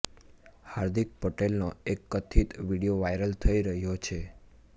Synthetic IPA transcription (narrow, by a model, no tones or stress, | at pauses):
haɾd̪ik̚pəʈelnoekːət̪ʰit̪ʋiɽijoʋajɾəlt̪ʰəiɾəɦjot͡ʃʰe